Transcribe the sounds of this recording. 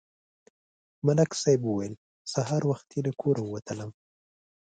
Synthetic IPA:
malaksajbuwajəl | saɦɑɾwaxt̪jeləkʰoɾawwat̪ʰələm

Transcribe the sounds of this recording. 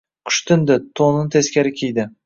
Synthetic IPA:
qʰʊ̥ʃt̪ɪnd̪ɪt̪ʰonɪnt̪ʰeskʲaɾɪkʲʰejd̪ɪ

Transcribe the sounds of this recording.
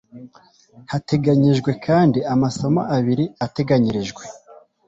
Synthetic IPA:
hate̞ɡaɲiʒɡwe̞kʰaːndiamaso̞ma̰ʔaβiɾiate̞ɡaɲiɾiʒɡwe̞

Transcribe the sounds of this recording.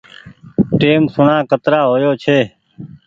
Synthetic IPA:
ʈeːmsʊɳãːkət̪ɾaːɦoːjoːt͡ʃʰeː

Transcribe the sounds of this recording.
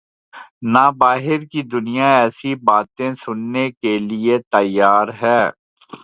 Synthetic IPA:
naːbaːɦɪɾkid̪ʊnijaɛːsibaːt̪ẽsʊnːekeliet̪ɐjːaːɾɦɛː

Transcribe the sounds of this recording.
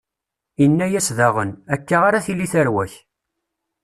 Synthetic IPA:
inːæjæsðæʁənækːaʁaɾaθilːiθæɾwæç

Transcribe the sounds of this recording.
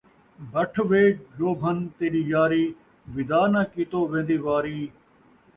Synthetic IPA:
bʱəʈʰʋeːʈ̚d͡ʒoːbʱənt̪eːɾiːjaːɾiː | ʋɪd̪aːnãːkiːt̪oːʋẽːn̆d̪iːʋaːɾiː

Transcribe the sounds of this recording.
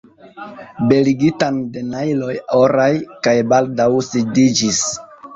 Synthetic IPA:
be̞liɡitande̞najlo̞joɾajkajbaldawsidid͡ʒis

